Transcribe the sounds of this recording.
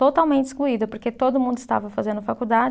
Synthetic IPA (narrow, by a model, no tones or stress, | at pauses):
ot̪awmẽntt͡ʃiskluid̪ɐpoɾket̪od̪ʊmũd̪ʊɪst̪a̰vɐfazẽnd̪ʊfakud̪ad͡ʒ